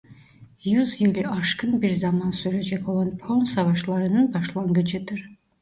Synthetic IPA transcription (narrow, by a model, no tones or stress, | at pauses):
jyzjɯlʲiʔɑʃkʰɯnbiɾzɑmɑnsyɾed͡ʒɛko̞lˠɑnpʰonsɑvɑʃlˠɑɾɯnɯnbɑʃlˠɑŋɡɯd͡ʒɯd̪ɯɾ